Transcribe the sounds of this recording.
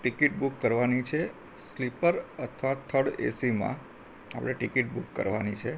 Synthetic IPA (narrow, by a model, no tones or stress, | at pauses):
ʈikiʈ̚bukːəɾʋanit͡ʃʰe | slipəɾət̪ʰʋat̪ʰəɽḛsimã̰ | apɽ̃eʈikiʈ̚bukːə̰ɾʋanit͡ʃʰe